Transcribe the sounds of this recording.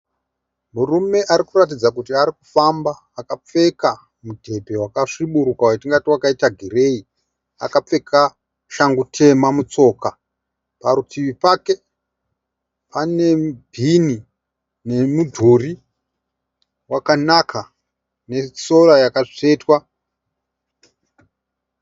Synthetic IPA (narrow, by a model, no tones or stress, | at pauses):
murume̞ʔaɾikurat̬id͡zakutiaɾiku̥fambaːkap͡fe̞ka | mudʱe̞bʱe̞wakaʂiɓuɾukawatiŋɡatiwakaitaɡʱire̞i | a̰kap͡fe̞kʰa | ʃaŋɡutʰe̞mamut͡so̞ːka | paɾutʰiʋipake̞ | pane̞bʱini | ne̞mudʱori | wakanakʰa | ne̞so̞ɾajakaʂe̞ːtwa